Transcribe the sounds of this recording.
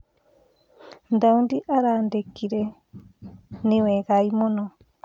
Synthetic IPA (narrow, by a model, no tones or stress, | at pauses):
nd̪aundiʔaɾandekiɾe | niweɣajmono